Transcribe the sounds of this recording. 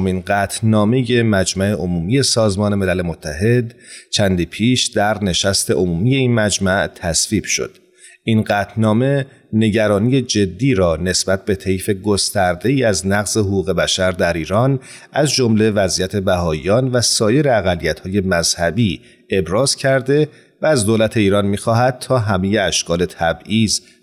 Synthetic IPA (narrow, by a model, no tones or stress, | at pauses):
ominɢæːt̪ʰnɒːme̞je̞mæd͡ʒmæʔe̞ʔomuːmije̞sɒːzmɒːne̞me̞lælemot̪ʰːæɦe̞d̪t͡ʃʰænd̪iːpʰiːʃd̪æɾne̞ʃæst̪ʰe̞ʔomuːmije̞inmæd͡ʒmæʔt̪ʰæsviːb̥ʃo̰d̪̥ | ʔinɢæːt̪ʰnɒːme̞ | ne̞ɟæɾɒːniːje̞d͡ʒe̞d̪ːiːɾɒːne̞sbæt̪̚be̞t̪ʰe̞jfe̞ɡo̞st̪æɾd̪e̞iːæznæɣzeɦoɣuːɣe̞bæʃæɾd̪æɾiːɾɒːn | ʔæzd͡ʒo̞mle̞væzʔiːjæt̪ʰe̞bæɦɒːḭjɒːnvæsɒːje̞ɾeæɣælːijæt̪ʰhɒːje̞mæz̥hæbiː | e̞bɾɒːz̥cʰæɾd̪e̞ | væːzd̪olæt̪ʰe̞iːɾɒːnmiːxɒːɦæd̪̥̚t̪ʰɒːɦæme̞je̞æʃkʰɒːle̞t̪ʰæbiːz